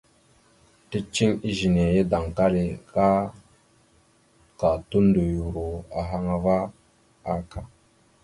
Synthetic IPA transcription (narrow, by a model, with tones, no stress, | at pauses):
ti˦t͡ʃi˦ŋi˦ʒi˨ne˨je˦da˨ŋka˦le˨ka˦ | ka˨tu˦n˦du˨ju˨ɾo˨a˨ɦa˦ŋa˨va˦ | a˦ka˦